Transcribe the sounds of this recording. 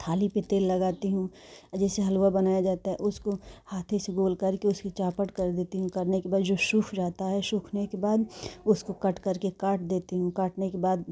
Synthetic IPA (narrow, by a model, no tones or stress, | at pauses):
t̪ʰaːlipet̪eːlːɐɡaːt̪iɦũ | d͡ʒɛːseɦɐlwabɐnaːjad͡ʒaːt̪aɦɛ̰ʔʊskohaːt̪ʰẽseɡoːlkɐɾkeʊskit͡ʃaːpəʈkɐɾd̪eːt̪iɦũkɐɾnekebaːd̪d͡ʒoːʃuːkʰd͡ʒaːt̪aɦɛʃuːkʰnekebaːd̪ʊskokɐʈkɐɾkekaːʈd̪eːt̪iɦũkaːʈnekebaːd̪